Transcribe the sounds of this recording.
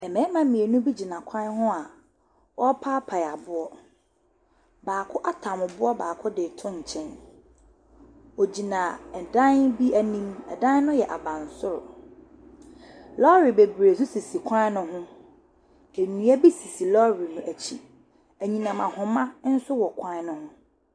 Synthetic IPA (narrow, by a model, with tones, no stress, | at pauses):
ɛ˨mɛ̃˨˦mã˦mĩ˨e˨nʊ̃˦bi˦d͡ʑi˨nã˨kʷʰã˦n˦ɦʊ̃˦a˨ | wɔ˦pʰaː˦pʰa˨ja˨bʊ˦ɔ˦ | baː˨kʰʊ˦ʔa˦tʰã˨mʊ˨bʊ˦ɔ˦baː˨kʰʊ˦dɪ˨tʰʊ̃˦ɲ̩˨t͡ɕʰɛ̃˦n | o˨d͡ʑi˨nã˨ɛ˨dã˦nbi˦æ˨nĩ˦mɛ˨dã˦n˦nʊ̃˦jɛ˨ʔa̰˨bã˨n̩˨sʊ˦ɾʊ̰˨ | lɔ˦ɾi˨be˨bɾe˨s̬ʊ˦si˨si˨kʰã˦nʊ̃˦ɦʊ̃˦ | e˨nũ˨˦æ˦bi˦si˨si˨lɔ˦ɾi˨nʊ̃˨ʔæ˨t͡ɕʰi˦ | æ˨ɲĩ˨nã˨mã˨hʊ̃˨mã˦n̩˦sʊ˦wɔ˨kʷʰã˦nʊ̃˦hʊ̃˦